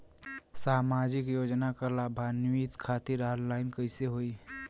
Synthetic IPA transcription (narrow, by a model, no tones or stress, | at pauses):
saːmaːd͡ʒɪkjoːd͡ʒnakalaːbʱanit̪kʰaːt̪ɪɾaːllaːɪnkəɪseɦoːi